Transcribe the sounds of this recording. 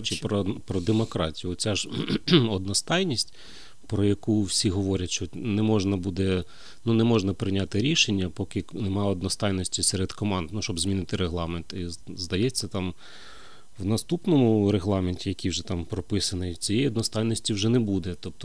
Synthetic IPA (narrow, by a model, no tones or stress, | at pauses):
t͡ʃipɾɔpɾɔd̪emɔkɾɑtʲijʊɔt͡sʲaʒɔd̪nɔst̪ɑjnʲisʲtʲ | pɾɔjɐkuwsʲiɦɔʋɔɾʲɐtʲʃt͡ʃɔnɛmɔʒnɐbud̪ɛ | nunɛmɔʒnɐpɾɪnʲat̪ɪɾʲiʃenʲːɐpɔkɪnemɑɔd̪nɔst̪ɑjnɔsʲtʲisɛɾed̪kɔmɑnd̪nuʃt͡ʃɔbzʲmʲinɪt̪ɪɾeɦlˠɑment̪izd̪ɐjɛt͡sʲːɐt̪ɑm | wnɐst̪upnɔmʊɾeɦlˠɑmenʲtʲijɐkʲijwʒɛt̪ɑmpɾɔpɪsɐnɪt͡sʲijɛjiɔd̪nɔst̪ɑjnɔsʲtʲiwʒɛnɛbud̪ɛt̪ɔp̚t̪ɔ̥